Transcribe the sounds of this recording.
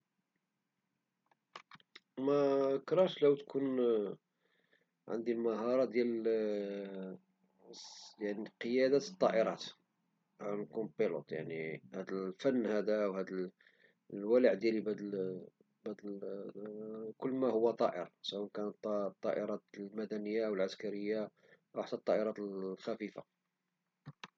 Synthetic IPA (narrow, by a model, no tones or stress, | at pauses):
mækɾˤɑʃlæwt̪kʰun | ʕə̰nd̪ilmɑɦɑɾˤɑd̪jæl | jaʕniqəjæd̪æt̪ət̪ˤːɑʔəɾˤɑt̪ | ankumpːilo̰t̪ˤja̰ʕnihæd̪əlfænːhæd̪awhæd̪əl | lwæləʕd̪jælibæd̪ | bæd̪ | kʊlːmæhʊwːæt̪ˤɑʔəɾɑsəwænkænət̪ˤːt̪ˤːɑ̰ʔəɾˤɑt̪lmæd̪ænəjːaʔwəlʕaskæɾəjːa | ʔwħt̪æt̪ˤːɑʔəɾˤɑt̪lxæfifa